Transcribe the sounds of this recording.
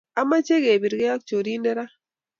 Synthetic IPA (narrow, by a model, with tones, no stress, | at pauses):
a˦ma˦t͡ʃe˦ɡe˨bi˨ɾɡɛ˦a˦k̚t͡ʃo˨ɾi˦nɛ˦ɾa˦